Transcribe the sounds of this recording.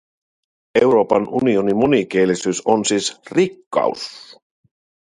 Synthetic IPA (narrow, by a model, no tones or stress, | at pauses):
ewɾo̞ːpɑnʔunio̞nimunik̟eːlisyːso̞nsiːsrikːɑ̰ṵs